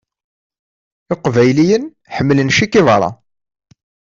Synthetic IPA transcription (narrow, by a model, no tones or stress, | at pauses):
ɪqvæjlijən | ħəmːlənʃikiðˤɾˤɑ̰